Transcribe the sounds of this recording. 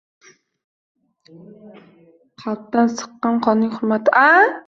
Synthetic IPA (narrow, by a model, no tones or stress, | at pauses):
qʰɑt̪̚d̪ansɨ̥qːɑnqʰɒnnːɪŋχʊɾmat̪ʰɪʔa